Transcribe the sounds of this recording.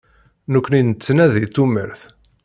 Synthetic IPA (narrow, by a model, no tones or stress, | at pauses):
nukʷːninət͡sːnæðit̪ːumə̰ɾθ